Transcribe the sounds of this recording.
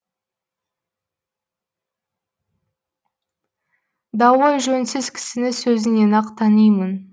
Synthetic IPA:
d̪ɑwɑjʒɵnsɪz̥kʲʰɪ̥sɪnɪsɵzɪnenɑqt̪ʰɑnijmən

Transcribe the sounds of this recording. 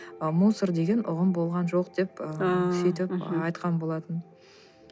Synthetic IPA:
musəɾd̪e̞ɡʲe̞nʔʊʁəmbo̞lˠʁɑnʒo̞qd̪̥e̞pəsijt̪ɪpɑjt̪qɑnbo̞lˠɑt̪ən

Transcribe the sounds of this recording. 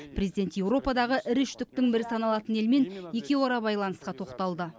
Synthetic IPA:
pʰrʲe̞zid̪e̞nt̪je̞wɾo̞pɑd̪ɑʁəʔɪɾʏʃt̪ʏk̚t̪ɪŋbɪɾɪsɑnɑlˠɑt̪əne̞lme̞nje̞kʲe̞woɾɑbɑjlˠɑnəsqɑt̪ʰo̞qt̪ɑlˠd̪ə

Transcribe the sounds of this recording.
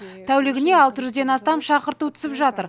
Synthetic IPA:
t̪ʰæwlɪɡʲɪne̞ɑlˠt̪əʒʏzd̪e̞nɑst̪ɑmʃɑqəɾt̪ut̪ʰʏ̥sɪpʒɑt̪əɾ

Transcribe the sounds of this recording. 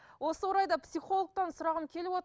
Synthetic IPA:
wo̞səwoɾɑjd̪ɑpsijχo̞lˠək̚t̪ɑnsʊɾɑʁənkʲʰe̞lɪpwot̪

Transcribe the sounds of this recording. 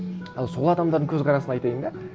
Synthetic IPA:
ɑlˠso̞lˠɑd̪ɑmd̪ɑɾd̪əŋkʲʰɵzqʰɑɾɑsənɑjt̪ɑjənd̪ɑ

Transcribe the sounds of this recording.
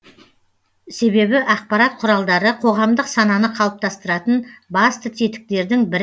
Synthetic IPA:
se̞βe̞bɪʔɑq̚pɑɾɑt̪̚qʰʊɾɑlˠd̪ɑɾəqʰo̞ʁɑmd̪əqsɑnɑnəqʰɑlˠəp̚t̪ʰɑst̪əɾɑt̪ənbɑst̪ət̪ʰet̪ɪ̥k̚t̪e̞ɾd̪ɪŋbɪɾ

